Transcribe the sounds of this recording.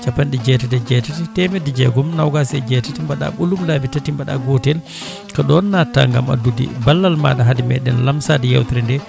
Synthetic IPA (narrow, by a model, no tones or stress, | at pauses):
t͡ʃapːanɗid͡ʒɛtɛtɛd͡ʒɛtatɛtɛmɛdid͡ʒɛ̰ɡɔmnawɡasɛd͡ʒɛtatimbaɗa̰ɓulumlabitatimbaɗa̰ɡɔtɛl | kaɗɔnːata̰ŋɡa̰ma̰dudḭbalːalma̰ɗaɦadimɛ̰ɗɛnlamsadɛja̰wtiɾɛndɛ